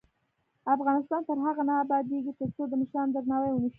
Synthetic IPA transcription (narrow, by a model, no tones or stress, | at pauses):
afɣɑnɪst̪ɑnt̪əɾɦaɣanɑːbɑd̪eɡit̪əɾt͡sod̪əmɪʃɾɑnzaɡnɑwəjwənəʃ